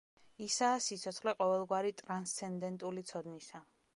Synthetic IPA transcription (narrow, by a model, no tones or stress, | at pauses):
isaːsit̪sʰɔt̪sʰχlɛqʼɔvɛlˠɡwaɾit̪ʼɾanst̪sʰɛnd̪ɛnt̪ʼulit̪sʰɔd̪nisa